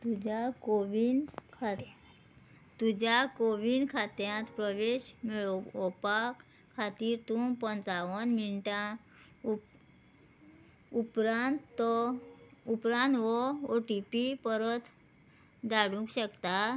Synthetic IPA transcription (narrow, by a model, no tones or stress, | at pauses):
t̪ud͡ʑakoʋinkʰa | t̪ud͡ʑakoʋinkʰat̪jãt̪pɾəʋeɕmiɭɔɔpak | kʰːat̪iːɾt̪ũpənt͡saʋənminʈã | upɾãnt̪ːɔ | upɾãnt̪ʋɔoʈipipəɾət̪ | d̪aɽũkɕəkt̪a